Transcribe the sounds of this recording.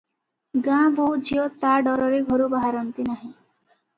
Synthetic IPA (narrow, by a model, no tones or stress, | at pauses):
ɡãbud͡ʒʱiɔt̪aɖɔɾɔɾeɡʱɔɾubaɦaɾɔnt̪inaɦĩ